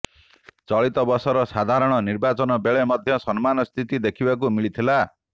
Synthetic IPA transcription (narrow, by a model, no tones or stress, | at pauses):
t͡ʃɔɭit̪ɔbɔsɔɾɔsad̪ʱaɾɔɽ̃ɔniɾbat͡ʃɔnɔbeɭemɔd̪ʱjɔsɔnmanɔst̪ʰit̪id̪ekʰibak̬umiɭit̪ʰila